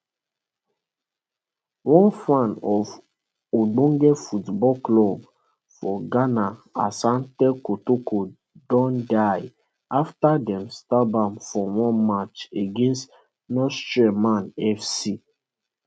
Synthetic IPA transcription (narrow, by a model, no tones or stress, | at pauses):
wɔ̃nfãnɔv | oɡ͡bõŋɡɛfutbɔklɔb | fɔɡanaasãntɛkotoko | dɔ̃ndaɪ | aftadɛmstabãmfɔwɔ̃nmat͡ʃeɡẽnst | nɔstɹamanɛfsi